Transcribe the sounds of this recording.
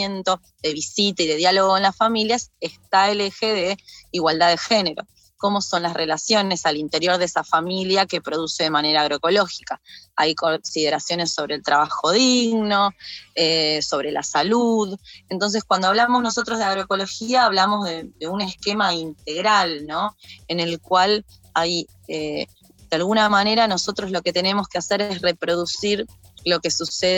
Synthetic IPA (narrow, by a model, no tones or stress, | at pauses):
je̞nt̪o̞ | ðe̞βisit̪aiðe̞ðjaloɣoko̞nlasfamiljasest̪aele̞xe̞ðe̞iɣwald̪aðe̞xe̞ne̞ɾo̞̰ | ko̞mo̞so̞nlasre̞lasjo̞ne̞salint̪e̞ɾjo̞ɾðesafamiljake̞pɾo̞ðuse̞ðe̞mane̞ɾaːɣɾoeko̞lo̞xi̥kaajko̞nsið̞eɾasjo̞ne̞sːo̞βɾe̞ːlt̪ɾaβaxo̞ðiɣno̞eso̞β̞ɾe̞la̰saluðe̞nt̪o̞ns̬eskwand̪oaβlamo̞zno̞s̬o̞t̪ɾo̞zðeaɣ̞ɾoeko̞lo̞xiaːβlamo̞zðed̪e̞une̞ske̞maint̪e̞ɣɾalno̞ene̞lkwal | aj | e | d̪ealɣunamane̞ɾano̞so̞t̪ɾo̞zlo̞ke̞t̪e̞ne̞mo̞skease̞ɾesre̞pɾo̞ðusiɾ | lo̞ke̞suseð